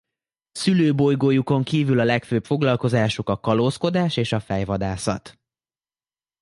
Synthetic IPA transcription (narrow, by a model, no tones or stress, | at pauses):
syløːbo̞jɡoːjuko̞ŋkiːvylɒlɛkføːpfo̞ɡlɒlko̞zaːʃukɒkɒlosko̞d̪aːʃeːʃɒfɛjvɒd̪aːsɒ̰t̪